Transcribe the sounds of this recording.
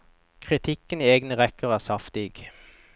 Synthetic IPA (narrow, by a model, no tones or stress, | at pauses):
kʰʁɪt̪ʰɪkənieːɡnəʁɛkəʁæːʁsɑft̪ɪɡ̥